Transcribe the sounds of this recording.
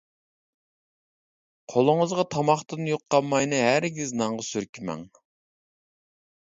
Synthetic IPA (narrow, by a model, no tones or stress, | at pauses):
qʰolˠʊŋəzʁɑt̪ʰɑmɑχt̪ɨnjoqʰːɑmːɑjnɨɦæɾɡʲiznɑŋʁɑsyɾkʲʰimɛ̰ŋ